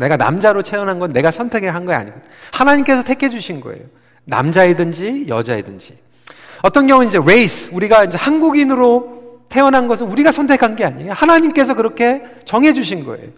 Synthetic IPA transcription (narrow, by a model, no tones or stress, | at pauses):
ne̞ɡana̰md͡ʑaɾot͡ɕʰe̞ʌnɦanɡʌnːe̞ɡasʰʌntʰe̞ɡɯɭɦanɡʌa̰ɲiɡo | hanaɲimk͈e̞sʰʌtʰekʰe̞d͡ʑuɕʰinɡʌ̰ḛjo | na̰md͡ʑaedɯnd͡ʑijʌd͡ʑaedɯnd͡ʑi | ʌt͈ʌnɡjʌŋuɯnind͡ʑe̞ɾe̞isʰuɾiɡaind͡ʑe̞hanɡuɡinɯɾotʰe̞ʌnɦanɡʌs̬ʰɯnuɾiɡasʰʌntʰekʰanɡe̞aɲihanaɲimk͈e̞s̬ʰʌkɯɾʌkʰe̞ | t͡ɕʌŋɦe̞d͡ʑuɕʰinɡʌ̰e̞̰jo